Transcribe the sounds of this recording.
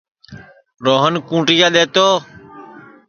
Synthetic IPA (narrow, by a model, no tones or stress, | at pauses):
ɾoːɦənkũːʈijaːɗ̪eːt̪oː